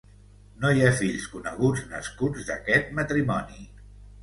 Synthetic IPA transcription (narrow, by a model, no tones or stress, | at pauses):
nojafiʎskunəɣ̞ud͡znə̰skud͡zðəkɛt̪̚mət̪ɾimɔni